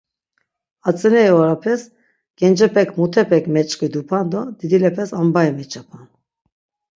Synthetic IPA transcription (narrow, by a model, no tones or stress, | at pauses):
at͡sʼɛnɛɛɔɾapʰɛs | ɡ̥ɛnd͡ʒɛpʰɛkʰmut̪ʰɛpʰɛkmɛt͡ʃʼkud̪upʰand̪ɔd̪id̪ilɛpʰɛsambajɛmɛt͡ʃʰapʰan